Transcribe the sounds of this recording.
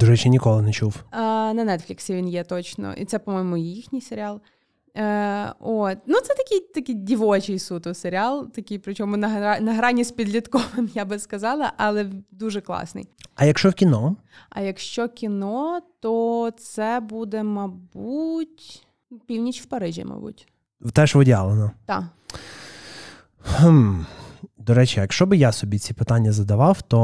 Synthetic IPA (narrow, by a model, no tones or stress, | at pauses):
d̪̥ʊʒɛt͡ʃɪnʲikɔlˠɪnet͡ʃuwnɐnɛt̪fʲlʲɪksʲɪʋʲinjɛt̪ɔt͡ʃnɔ̰ʔḭt̪sɛpɔmɔjmʊjixnʲijseɾʲɪɑlˠ | ot̪ʲnut̪sɛt̪ɐkʲɪjt̪ɐkʲɪjdʲiʋɔt͡ʃɪjsut̪ɔseɾʲɪɑlˠt̪ɐkʲɪjpɾɪt͡ʃɔmʊnɐnɐɦɾɑnʲispʲid̪lʲit̪kɔʋɪmjabɪskɐzɑlˠɐʔɐlˠɛd̪uʒɛklˠɑ̰snɪ̰jɐjɐkʃt͡ʃɔwkʲinɔɐ̰jɐkʃt͡ʃɔkʲinɔt̪ɔt̪sɛbud̪ɛmɐbutʲ | pʲiwnʲit͡ʃwpɐɾɪʒʲḭmɐ̰bṵtʲ | wt̪ɛʃʋɔdʲa̰lˠenɐt̪ɑ̰ | h̩ | d̪ɔɾɛt͡ʃijɐkʃt͡ʃɔbɪjasɔbʲit͡sʲipɪt̪ɑnʲːɐzɐd̪ɐʋɑwt̪ɔ